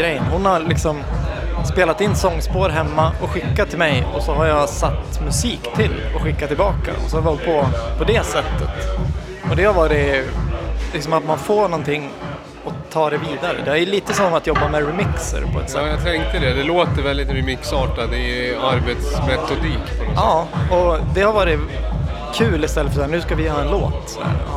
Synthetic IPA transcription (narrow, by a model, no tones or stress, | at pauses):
ɡɾɛjːənhʊnhaɾlɪksɔmspeːlat̪ɪnːsɔŋːspoːɾɦɛmːaɔɧɪkːat̪ʰːɪlmɛjɔsɔɦaɾjasat̪ːmɵsiːkt̪ʰɪlɔɧɪkːat̪ʰːɪlbɑːka̰ʔɔ̰sɔhaɾvɪɔlt̪̚pʰɔpʰɔd̪ɛsɛt̪ːət̪ | ɔd̪ɛvaɾɛ | lɪksɔmat̪manfoːɳɔnt̪ʰɪŋː | ɔt̪ʰːɑːd̪ɛviːd̪aɾə̰d̪ɛhæɾæɾjliːt̪əsɔmːat̪jɔbːamɛɾɛmɪksə̰ɾpʰɔɛ̰t̪sɛjat̪ʰɛŋkt̪əd̪ɛd̪ɛloːt̪əɾvɛld̪ɪt̪ɾɛmɪksɑːʈad̪ɛaɾbet̪smɾɛt̪ːʊd̪iːkpʰɔnɔɑːɔd̪ɛhaɾvɑːɾɪ | kʰʉ̟ːlɪst̪ɛlːəfœʂsːnʉ̟ːskavɪjɑːɛnloːt̪sɔdæ̰ːɾ